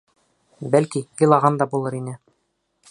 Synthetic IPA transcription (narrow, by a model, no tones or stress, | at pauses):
bælkijilˠɑʁɑnd̪ɑbulˠɤɾinɘ